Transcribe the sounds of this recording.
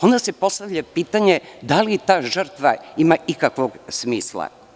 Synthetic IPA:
o̞nd̪ase̞po̞st̪aʋʎapiːt̪aɲed̪alit̪aːʒər̩t̪ʋaimaikakʋoɡsmiːslˠa̰

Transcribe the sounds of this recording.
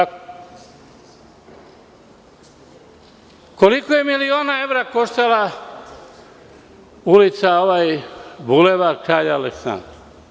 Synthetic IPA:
ko̞likoje̞milio̞ːnae̞ʋɾako̞ʃt̪ala | ulit̪saoʋajbuleʋakɾaːʎaːleksa̰nd̪ɾa

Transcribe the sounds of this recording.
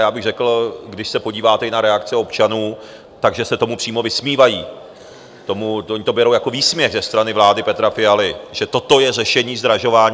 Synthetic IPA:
jaːbɪɣrɛkl̩ɡdɪʃsɛpo̞ɟiːvaːt̪ɛɪnaɾɛakt͡sɛo̞pt͡ʃanuː | t̪aɡʒɛsɛt̪o̞mupr̥iːmo̞vɪsmiːvajiː | t̪o̞muoɲɪt̪o̞bɛɾo̞wjako̞viːsmɲɛɣzɛst̪ɾanɪvlaːdɪpɛt̪ɾafɪalɪʒɛt̪o̞t̪o̞jɛrɛʃɛɲiːzd̪ɾaʒo̞vaːɲ

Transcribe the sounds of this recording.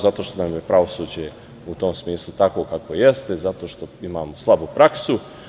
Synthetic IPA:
zat̪oːʃt̪onamje̞pɾaʋo̞suːd͡ʑe | ut̪omsmiːslˠut̪ako̞kakʋoje̞st̪ezat̪o̞ːʃt̪o̞imaːmoslˠabupɾaksu

